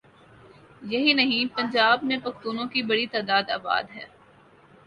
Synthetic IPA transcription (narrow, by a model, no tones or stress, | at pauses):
jɐɦinɐɦĩpɐ̃ɲd͡ʒaːbmẽpɐxt̪uːnõkibɐɽit̪aːd̪aːd̪a̰ːba̰ːd̪ɦɛː